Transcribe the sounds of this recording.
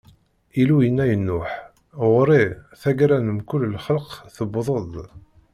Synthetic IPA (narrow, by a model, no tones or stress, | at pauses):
ilujənːæjənːʊħ | ʁɾiθæɡɾænəmkʊlːəlχələqθəbðˤəðˤ